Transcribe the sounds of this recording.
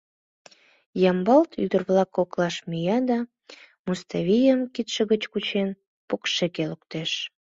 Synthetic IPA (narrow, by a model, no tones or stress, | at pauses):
jɑmbɑlt̪ʰy̰d̪ərβlɑkːoklɑʃmyjɑd̪ɑ | must̪ɑβʲijəmkit̪ʃə̆ɣət͡ɕkut͡ɕen | pokʃekelukt̪eʃ